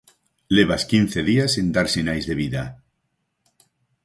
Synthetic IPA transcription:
leβ̞askinθeðiasend̪aɾsenajzðeβiða

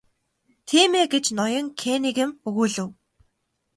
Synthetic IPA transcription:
t̪ʰiːmeːɡet͡ɕnɔjɞ̆ŋkʰeniɣɘ̆mɵɣuːɮɘ̆w

